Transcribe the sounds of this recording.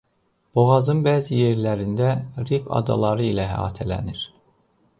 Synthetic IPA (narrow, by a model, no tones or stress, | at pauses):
b̥oɣɑzɯnbæːzije̞ɾlæɾind̪æɾipɑ̰d̪ɑ̰lˠɑɾɯilæɦæ̰ɑ̰ːt̪ʰælæ̰niɾ̥